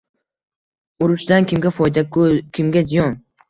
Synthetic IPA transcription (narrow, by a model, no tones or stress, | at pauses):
ʊɾʊʃd̪ankʲʰɪmɡʲafɒjd̪akkʲʰɪmɡʲazijɒn